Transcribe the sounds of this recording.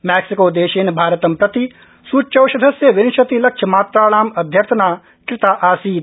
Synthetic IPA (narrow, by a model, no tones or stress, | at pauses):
mɛːksɪkoːd̪eːʃeːnbʱaːɾət̪ɐmpɾɐt̪i | suːt͡ʃɐwʃɐd̪ʱɐsjɐʋɪnɪʃɐt̪ilɐkʃʰjɐmaːt̪ɾaːɽaːmɐd̪ʱjɐɾt̪ʰnaː | kɾɪt̪aːʔaːsiː